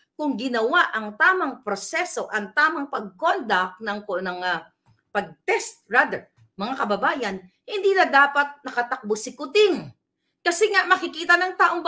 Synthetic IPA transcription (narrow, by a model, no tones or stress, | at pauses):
kʊŋɡɪnɐwaʔɐŋt̪aːmɐŋpɾosɛso̞ʔɐŋt̪aːmɐŋpɐɡ̚kond̪ɐk̚nɐŋknɐŋa | pɐɡ̚t̪ɛst̪̚ɹad̪ɛɹ | mɐŋakɐbɐbaːjɐn | hɪnd̪iːlɐd̪aːpɐt̪̚nɐkɐt̪ɐk̚bosɪkʊt̪ɪŋ | kɐsɛŋaʔmɐkɪkiːt̪ɐnɐŋt̪aːʔoŋb